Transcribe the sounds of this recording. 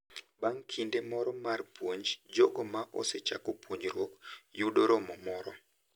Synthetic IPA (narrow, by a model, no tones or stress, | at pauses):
baŋkʰindemɔɾɔmarpwoɲd͡ʒd͡ʒɔɡɔmaʔɔ̰set͡ʃa̰kopwoɲɾwɔkjudoɾɔmɔmɔɾɔ